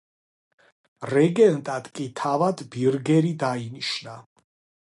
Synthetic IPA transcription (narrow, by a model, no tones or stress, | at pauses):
ɾɛɡɛnt̪ʼad̪̥kʼit̪ʰavad̪biɾɡɛɾid̪ainiʃna